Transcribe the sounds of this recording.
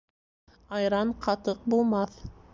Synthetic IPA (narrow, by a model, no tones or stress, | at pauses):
ɑjɾɑɴqʰɑt̪ɤq̚bulˠmɑθ